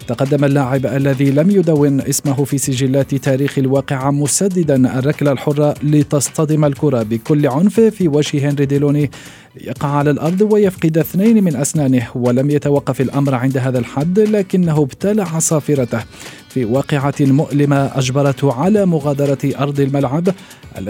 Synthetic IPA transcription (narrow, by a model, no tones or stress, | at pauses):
t̪ɑqɑd̪ːamalːaːʕɪbʔalːaðiːlamjʊd̪awːɪnʔɪsmaɦʊfiːsɪʒɪlːaːt̪t̪aːɾiːxalwɑːqɪʕamʊsad̪ːɪd̪anʔa̰rˤːɑklalħʊrˤːɑlɪt̪ɑsˤt̪ɑd̪ɪmalkʊɾˤɑbɪkʊlːʕʊnffiːwad͡ʒhɪhenɾid̪ɪloːni | jɑ̰qɑʕʕalalʔɑɾˤd̪ˤwajafqɨd̪ʔɪθnajnmɪnʔasnaːnɪhwalamjat̪awɑqːɑfalʔamɾʕɪnd̪aɦaːðalħad̪ːlaːkɪnːaɦʊbt̪alaʕasˤɑːfɪɾˤɑt̪ah | fiːwɑːqɪʕamʊʔlɪmaʔad͡ʒbɑɾˤɑt̪hʕalaːmʊɣaːd̪ɑɾˤɑʔɑɾˤd̪ˤɪlmalʕab | ʔa̰lː